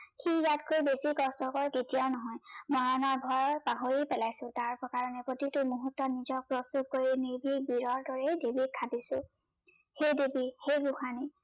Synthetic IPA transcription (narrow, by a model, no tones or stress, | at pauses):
xijatkʰojbesikɔstɔkɔɹketijaʊnɔɦɔjmɔɹanɔɹbʱɔjɔpaɦoɹipɛlajsʊ̃taɹpɔkaɹɔnɛpɹotitʊmuɦutːɔnizɔk̚pɹostup̚koɹiniɹbʱibiɹɔɹdɔɹejdebikʰadisʊ̃ | xejdebixejɡuxani